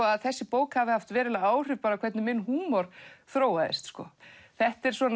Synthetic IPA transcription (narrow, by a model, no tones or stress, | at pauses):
ɔaðθɛsːɪpoːwkhavɪhaft̪vɛːɾɪlaaːwr̥ʏpaːɾakʰɛt̪nɪmɪnːhuːmɔɾ̥θɾoːwaðɪ̰st̪skɔ̰θɛht̪ɛɾ̥sɔn